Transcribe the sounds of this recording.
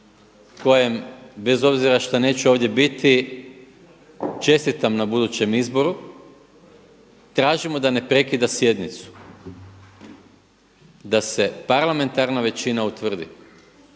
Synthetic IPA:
ko̞jembe̞zo̞bziɾaʃt̪ane̞ːt͡ɕɛo̞ːʋd̪je̞bit̪i | t͡ʃe̞st̪it̪amnabud̪ut͡ɕe̞mizbo̞ɾu | t̪ɾaːʒimo̞d̪ane̞pɾe̞kid̪asje̞d̪nit̪su̥ | d̪ase̞paɾlˠame̞nt̪aɾnaʋe̞t͡ɕinaut̪ʋr̩d̪ḭ

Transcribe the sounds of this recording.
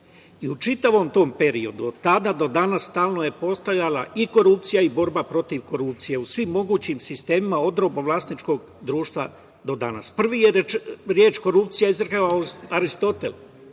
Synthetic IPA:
iut͡ʃit̪aʋo̞mt̪o̞ːmpe̞ɾio̞d̪uot̪ad̪ad̪o̞d̪anasst̪aːlˠnoje̞po̞st̪aʋʎalaiko̞ɾup̚t̪sijaibo̞ɾbapɾo̞t̪iʋko̞ɾup̚t̪sije̞usʋimːo̞ɡuːt͡ɕimsist̪e̞ːmimao̞d̪ɾo̞boʋlasnit͡ʃko̞ɡ | d̪ɾuːʃt̪ʋa | d̪o̞d̪a̰na̰spr̩ʋijeɾeɾjeːt͡ʃko̞ɾupt̪sijaizrkaaaɾist̪o̞t̪e̞̰l

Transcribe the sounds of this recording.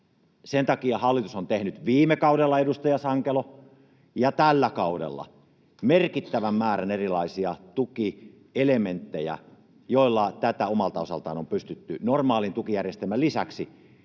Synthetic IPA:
sent̪ɑkiɑhɑlːit̪usont̪ehnyt̪ʋiːmekɑudelːɑedust̪ɑjɑsɑŋkelo | jɑt̪ælːækɑudḛlːɑ̰ | merkit̪ːæʋæmmæːrænerilɑisiɑt̪uki | element̪ːejæ̰ | joilːɑt̪æt̪æomɑlt̪ɑosɑ̰lt̪ɑ̰ːnompyst̪yt̪ːy̰normɑːlint̪ukijærjest̪elmælisæ̰ksi

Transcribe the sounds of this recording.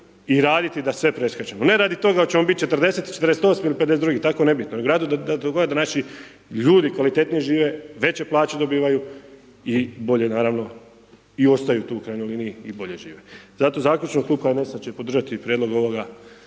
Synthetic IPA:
iɾaːd̪it̪id̪asʋe̞pɾeskat͡ʃemone̞ɾaːd̪it̪o̞ɡat͡ɕemobit̪̚t͡ʃet̪rd̪e̞set̪i̥t͡ʃet̪əɾeset̪o̞smailiped̪es̬et̪d̪uɡit̪akoene̞bit̪noneɡoɾaːd̪ud̪d̪aoɡoɡad̪anaʃi | ʎuːd̪ikʋalit̪eːt̪nijeʒiːʋe̞ʋe̞t͡ɕe̞plˠaːt͡ɕed̪o̞biːʋaju | ibo̞ʎe̞naːɾaʋno̞ | io̞st̪ajut̪uːukɾaːjnojliniiibo̞ʎe̞ʒiːʋe̞z̥at̪o̞zaːkʎʲut͡ʃnokluːbxaenesat͡ɕepod̪r̩ʒat̪ipɾʲjed̪lo̞ɡo̞ʋo̞ɡa

